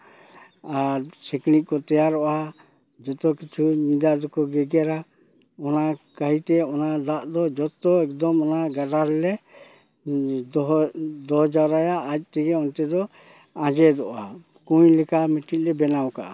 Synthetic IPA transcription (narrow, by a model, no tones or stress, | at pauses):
aɾsiknic̚kɔt̪ɛjaɾɔʔa | d͡ʒɔt̪ɔkit͡ʃʰuɲid̪ad̪ɔkɔɡɛɡɛɾa | ɔnakaɦit̪ɛɔnad̪aʔd̪ɔd͡ʒɔt̪ɔɛk̚d̪ɔmɔnaɡaɾaɾɛlɛ | ɔɦd̪ɔɦd͡ʒaɾajaʔac̚ˀt̪ɛɡɛɔnt̪ɛd̪ɔ | ãd͡ʒɛd̪ɔʔa̰ | kuɲlɛkamiʈic̚ˀlɛbɛnawka̰ʔa̰